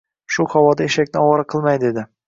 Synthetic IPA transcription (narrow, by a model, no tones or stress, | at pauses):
ʃʊχɒvɒd̪aeʃakʲnɪɒɒɾaqʰɨlˠmajd̪e̞d̪ɪ